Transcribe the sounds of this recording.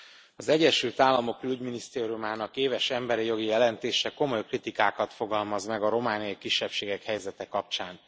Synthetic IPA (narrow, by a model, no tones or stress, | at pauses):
ɒzɛɟːɛʃylt̪aːlːɒmo̞kyyɟminist̪eːɾiumaːnɒkeːvɛʃɛmbɛɾijo̞ɡijɛlɛnt̪eːʃɛko̞mo̞jkrit̪ikaːkɒt̪fo̞ɡɒlmɒzmɛɡɒɾo̞maːnijɒikiʃːɛpʃeːɡɛkhɛjzɛt̪ɛkɒp̚t͡ʃaːn